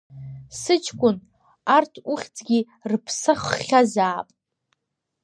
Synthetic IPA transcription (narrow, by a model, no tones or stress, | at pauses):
sɨt͡ʃʰkʷʼʊn | artʰuχʲt͡sʼɡʲi | rpʰsaχːʲazaːpʼ